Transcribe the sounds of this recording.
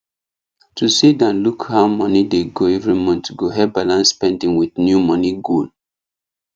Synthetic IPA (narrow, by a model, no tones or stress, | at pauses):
tusidãnlukhaʊmʌnideɡoɛvɹimɔ̃ntɡoɦɛbalãnsːpɛ̃ndĩŋwiθnjumɔniɡol